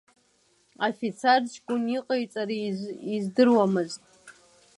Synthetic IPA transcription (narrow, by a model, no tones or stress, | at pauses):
afit͡sʰart͡ʃɡʷʼʊniqʼajt͡sʼaɾiizdɨrwamɨztʼ